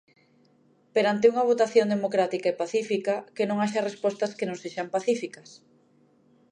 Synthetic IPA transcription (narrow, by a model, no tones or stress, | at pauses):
peɾant̪euŋɐβ̞ot̪aθjond̪emokɾat̪ikaepaθifikakenõŋaʃɐrespɔst̪ɐskenõŋseʃampaθifikɐs